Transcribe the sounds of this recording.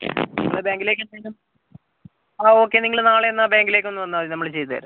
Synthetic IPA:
endɐbaːŋɡile̞ːkʲːɐnelum | aːo̞ːkːe̞niŋːɐɭnaːɭeenːabaːŋɡile̞ːkʲːo̞nːɨʋɐnːaɐðinɐmːɐɭt͡ɕe̞jt̪ɨðɐ̰ːɾu

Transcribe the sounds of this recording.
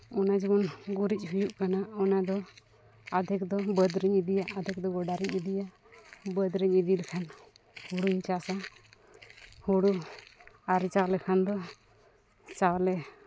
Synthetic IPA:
ɔnad͡ʒɔmɔnɡuɾic̚ˀhujuʔkanaɔnad̪ɔ | ad̪ʱɛk̚d̪ɔbəd̪ɾiɲid̪ijaʔad̪ʱɛk̚d̪ɔɡɔɖaɾiɲid̪ijaʔ | bəd̪ɾiɲid̪ilɛkʰan | huɽuiɲt͡ʃasa | huɽu | aɾit͡ʃaklɛkʰand̪ɔ | t͡ʃawlɛ

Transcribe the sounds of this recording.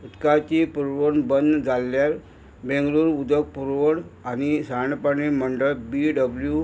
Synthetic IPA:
ut̪kat͡ɕipuɾʋənbənd̪d͡zʱalːjaɾ | bẽŋɡluːɾud̪ək̚puɾʋəɽanisaɳpəɳim̤əɳɖəɭbiɖəblju

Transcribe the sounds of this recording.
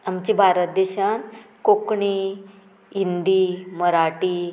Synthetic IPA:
amt͡ɕibʱaɾət̪̚d̪eɕankokɳi | ind̪iməɾaʈi

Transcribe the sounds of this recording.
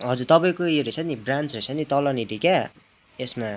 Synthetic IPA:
ɦʌd͡zuɾt̪ʌpaĩkoeɾet͡sʰʌnibrant͡srʌt͡sʰʌnit̪ʌlʌniɾika | esma

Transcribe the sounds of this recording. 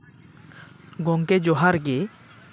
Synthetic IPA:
ɡɔŋked͡ʑoɦaɾɡe

